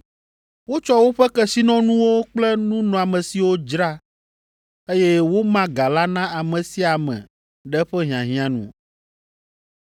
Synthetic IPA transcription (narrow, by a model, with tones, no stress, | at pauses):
wo˦t͡ʃɔ˦wo˦ɸɛ˦kɛ˦si˦nɔ̃˦nũ˦wo˦k͡plɛ˦nũ˦nɔ̃˨a˨mɛ̃˨si˨wo˦d͡ʒɾa˦ | e˦jɛ˦wo˦mã˦ɡa˨la˦nã˦a˨mɛ̃˨si˦a˨mɛ̰̃˨ | ɖɛ˦ɸɛ˦ɦĩ˨ã˨ɦĩ˦ã˦nṵ̃˨